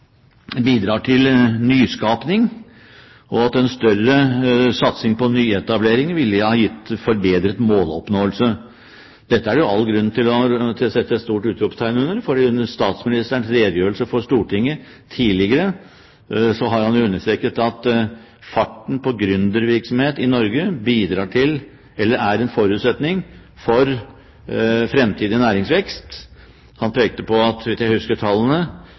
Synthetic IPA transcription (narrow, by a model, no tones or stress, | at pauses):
biːd̪ɾɑːʈʰɪlnyːskɑːpnɪŋ | ɔɑt̪ɛnst̪œrəsɑt̪sɪŋpɔnyːɛt̪ɑbleːɾɪŋʋɪlːhɑːjɪt̪ːfɔɾbeːd̪ɾət̪moːlɔpnoːəlsə | d̪̥ɛt̪ːəæɾjʊɑlːɡɾʉnːt̪ʰɪlɔt̪ʰɪsɛt̪ːəst̪uːʈʉːt̪ɾʊpt̪ʰæɪnʉnːəɾfɔɖiːʉnəst̪ɑːt̪smɪnɪst̪əɳsɾeːd̪əjøːɾəlsəfɔʂt̪uːʈʰɪŋːə | t̪ʰiːlɪɡəɾə | sɔɦɑɾhɑnjʊʉnːəʂt̪ɾɛkːət̪ɑt̪ | fɑʈːn̩pʰɔɡɾʉnd̪əɾʋɪɾksɔmheːt̪ɪnɔɾɡəbiːd̪ɾɑːʈʰɪl | ɛlːəɾæɾɛnfɔɾʉːt̪sɛt̪nɪŋ | fɔɾ | fɾɛmt̪ʰiːd̪ɪnæːɾɪŋsʋɛkst̪ | hɑnpʰeːk̚t̪əpɔɑt̪ʋɪsjæɪhʉskəʈʰɑlːənə